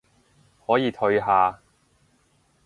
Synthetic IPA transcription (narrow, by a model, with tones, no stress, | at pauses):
hɔː˨˥jiː˨˧t̪ʰɵ˧ɥɦaː˨˧